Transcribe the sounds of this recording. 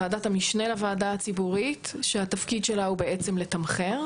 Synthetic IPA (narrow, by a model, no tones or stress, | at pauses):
aːdatamiʃnelavaːdaat͡sibuʁitʃeatafkid̪ʃe̞laube̞et͡se̞mle̞t̪amχeʁ